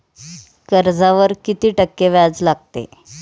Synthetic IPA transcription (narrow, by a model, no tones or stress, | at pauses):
kəɾd͡zaʋəɾkit̪iːʈəkːeʋjad͡zlaɡ̚t̪ḛ